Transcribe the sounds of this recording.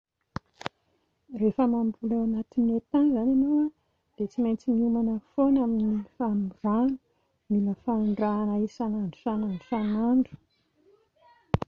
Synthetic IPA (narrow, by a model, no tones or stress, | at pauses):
refəmambulewanat̪iniet̪anzananowa | d̪̥et͡simajnt͡simiumanəfonaminifamvanu̥ | miləfaɳɖ͡ʐanaisanaɳɖ͡ʐu̥sanaɳɖ͡ʐusanaɳɖ͡ʐu̥